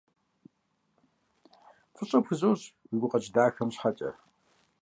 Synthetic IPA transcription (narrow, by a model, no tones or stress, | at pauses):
fʰʼɨɕʼɐpxɨzoːɕwiɡʷʊqʼɐt͡ʃʼdaːxɐmɕħat͡ʃʼɐ̰